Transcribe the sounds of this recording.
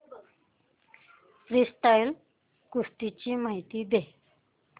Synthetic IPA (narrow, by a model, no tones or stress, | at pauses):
fɾisʈajl | kust̪it͡ɕiːmaɦit̪iːd̪e